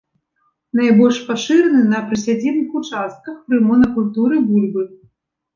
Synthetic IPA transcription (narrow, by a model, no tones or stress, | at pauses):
n̪ajbɔlʲʂpaʂɨɾɐnɨnɐpɾɨsʲad͡zʲɛnɨxut͡ʂast̪̚kɐxpɾɨmɔnɐkulʲt̪uɾɨbulʲbɨ